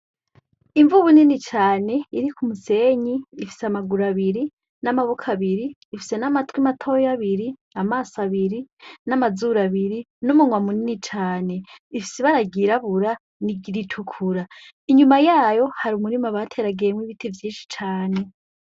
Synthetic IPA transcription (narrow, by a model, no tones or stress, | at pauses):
iɱvuβuninit͡ʃaːne̞iɾikʰumuse̞ːɲiːfi̥seamaɡuɾaβiɾi | namaβokʰaβiɾiːfi̥se̞namatwimatʰo̞jaβiɾiamaːsaβiɾinamazuɾaβiɾi | numuŋwamuninit͡ʃaːne̞ifi̥seβaɾaɡiɾaβuɾa | niɟiɾitʰukʰuɾa | iɲumajaːjo̞haɾumuɾimaβatʰe̞ɾaɡemwiβitʰivjiːnʃi̥t͡ʃaːne̞